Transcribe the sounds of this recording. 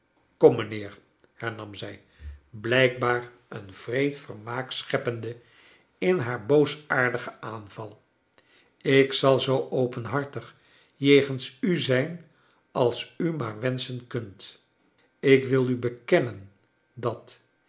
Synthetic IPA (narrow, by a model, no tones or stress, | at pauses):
kɔmːənɪːɹ | hɛɹnɑmzɛj | blɛjk̚baːr | ənv̥rejtfərmaːksχɛpəndə | ɪnɦaːɹbowsaːɹdəχəʔaːnv̥ɑlˠ | ɪksɑlˠzowʔowpənɦɑɹtəχ | jejχənsyzɛjn | ɑlˠsymaːɹʋɛnsənkɵnt | ɪkʋɪlˠybəkɛnən | dɑt